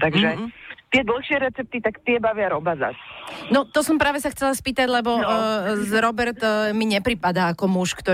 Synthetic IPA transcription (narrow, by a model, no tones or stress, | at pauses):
t̪aɡʒɛt̪ɪɛd̪l̩xʃɪɛɾɛt͡sɛp̚t̪it̪akt̪ɪɛbaʋɪaɾɔbaza̰snɔt̪ɔsɔmpɾaːʋɛsaxt͡sɛlaspiːt̪aɟlɛbɔzɾɔbɛɾt̪miɲɛpɾipad̪aːkɔmuʃkt̪ɔ